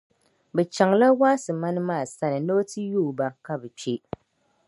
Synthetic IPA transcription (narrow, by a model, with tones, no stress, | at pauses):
bɛ˨t͡ʃa˨ŋla˦waː˦sɨ˨ma˦nɨ˦maː˦˨sa˦nɨ˨no˦tɨ˦juː˦˨ba˦ka˦bɛ˨t͡ʃe˦